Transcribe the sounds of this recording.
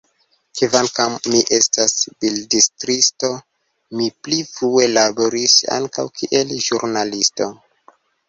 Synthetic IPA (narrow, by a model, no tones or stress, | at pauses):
kivankamːiʔe̞stasb̥ildistɾisto̞ | miplifɾue̞laboɾisa̰ŋkawkʰiʔe̞lʒuɾnalisto̞